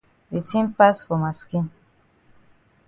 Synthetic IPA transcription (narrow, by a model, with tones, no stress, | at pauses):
di˨tĩ˦mpa˦sfo˨ma˨skĩ˦n